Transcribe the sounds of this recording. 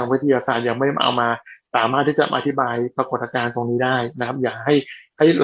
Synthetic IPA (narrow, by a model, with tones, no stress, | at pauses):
a˧ŋwi˦˥t̪ʰa˧jaː˧saː˨˩t̪̚ja˨˩ma˥˩jʔa̰˧wmaː˧saː˩˦maː˥˩t̪ʰːiː˥˩t͡ɕa̰˨˩ʔa̰˧t̪ʰi˦˥baː˧jpɾa˧ko˨˩t̪̚ːa˧kaː˧nt̪o˧ŋniː˦˥daː˥˩jna˦˥kʰa˦˥p̚jaː˨˩k̚ɦa˥˩jha˥˩jl